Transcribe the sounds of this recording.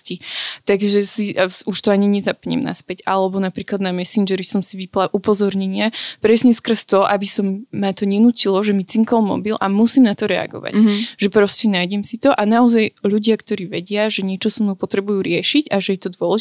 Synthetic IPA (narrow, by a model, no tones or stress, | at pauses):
cit̪aɡʒɛsiuʃt̪ɔaɲiɲɛzapɲɛ̰mna̰spɛca̰lɛbɔnapɾiːklad̪namɛsind͡ʒɛɾisɔmsiʋiplaʔupɔzɔɾɲɛɲɪapɾɛsɲɛskr̩st̪ɔʔabisɔmːat̪ɔɲɛnucilɔʒɛmit͡siŋkɔlmɔ̰bilʔamusiːmnat̪ɔɾɛa̰ɡɔ̰ʋa̰ɟʒɛpɾɔscɛnajɟɛmsit̪ɔʔanaɔzajʎuɟɪakt̪ɔɾiːʋɛɟɪaʒɛɲɪɛt͡ʃɔsamupɔt̪ɾɛbujuːɾɪɛʃiɟaʒɛjɛt̪ɔd̪ʊɔlɛʒ